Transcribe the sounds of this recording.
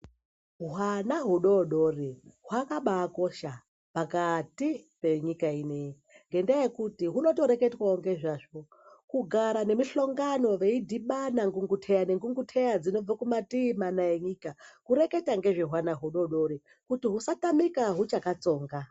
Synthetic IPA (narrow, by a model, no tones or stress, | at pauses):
ɦwanaɦuɗo̞ɗoriɦwakaɓaːko̞ʃa | pakatipe̞ɲikainei | ŋɡe̞ndajekutiɦuno̞to̞ɾe̞ketwaoŋɡe̞ʐaʐo | kuɡʱaɾane̞miɬoŋɡano̞ʋe̞idʱiɓanaŋɡuŋɡutʰejane̞ŋɡuŋɡutʰejad͡zino̞b͡vakumatimanaje̞ɲikakuɾeke̞taŋɡe̞ʐeɦwanaɦuɗo̞ɗo̞ɾi | kutiɦusatamikaɦut͡ʃakat͡so̞ːŋɡa